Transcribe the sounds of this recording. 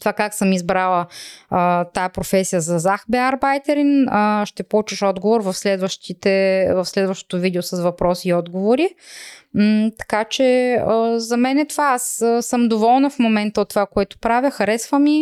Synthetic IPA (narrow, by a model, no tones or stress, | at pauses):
t̪ovakaksəmizbɾalˠə | t̪aɛpɾofɛsijəzɐzaxbɛaɾbajt̪ɛɾinəʃt̪ɛpolˠut͡ʃəʃɔd̪ɡovoɾvɐfslɛd̪vəʃt̪it̪ɛvɐfslɛd̪vɐʃt̪o̥t̪ovid̪ɛosɐsvɐpɾɔsiːɔd̪ɡovoɾi | t̪ɐ̥kat͡ʃɛəzɐmɛnɛt̪ovaasəsɤmd̪ovɔlˠnɐfmomɛnt̪əot̪ːovakoɛt̪ʊ̥pɾavʲjəxɐɾɛsvəmi